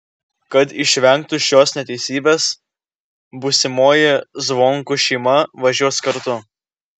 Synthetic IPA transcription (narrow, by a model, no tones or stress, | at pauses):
kɐt̪ɪʃʲʋʲɛŋˑk̚t̪ʊʃʲjoːsnʲɛt̪ʲɛɪsʲiːbʲeːs | bʊsʲɪmoːjɪzʋoŋkʊʃʲɛɪmɐʋɐʒʲuɔskɐɾt̪ʊ